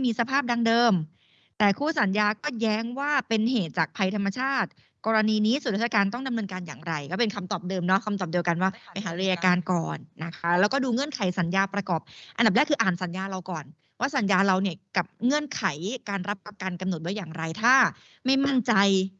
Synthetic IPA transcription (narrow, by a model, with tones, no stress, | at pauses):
miː˧sa˧pʰaː˥˩p̚da˧ŋdɤː˧m | t̪ɛː˨˩kʰuː˥˩sa˨˩˦njaː˧kɔː˥˩jɛː˦˥ŋwaː˥˩pe˧nɦeː˨˩t̪̚t͡ɕaː˨˩k̚pʰa˧jt̪ʰa˧mːa˧t͡ɕʰaː˥˩t̪̚ | kɔː˧ɾa˧niː˧niː˦˥su˨˩˦ɾa˦˥˩a˧kaː˧nt̪ɔ˥˩ŋda˧mnɤː˧nkaː˧nja̰ː˨˩ŋɾa˧jkɔː˥˩pe˧nkʰa˧mt̪ɔː˨˩p̚dɤː˧mnɔ˦˥kʰa˧mt̪ɔː˨˩p̚di˧əwka˧nwaː˥˩pa˧jɦaː˩˦ɾɯ˧jaː˧kaː˧nkɔː˨˩nːa˦˥kʰa˦˥lɛː˦˥wkɔː˥˩duː˧ŋɤ˥˩ənkʰa˨˩˦jsa˨˩˦njaː˧pɾa˧kɔː˨˩p̚ʔa˧nda˨˩nɛ˦˥kʰɯː˧ʔaː˨˩nsa˩˦njaː˧ɾa˧wkɔː˨˩n | waː˥˩sa˩˦njaː˧ɾa˧wni˥˩ɐka˨˩p̚ŋɤ˥˩ənkʰa˨˩˦jkaː˧nɾa˦˥p̚ːɾa˧ka˧nka˧mno˨˩t̪̚du˥˩jaː˨˩ŋɾa˧jt̪ʰaː˥˩ | ma˥˩jma˥˩nt͡ɕa˧j